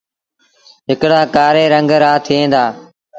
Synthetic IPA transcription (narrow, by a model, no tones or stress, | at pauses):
ɦɪkɽaːkaːɾeːɾəŋɡɾaːt̪ʰiẽːnd̪aː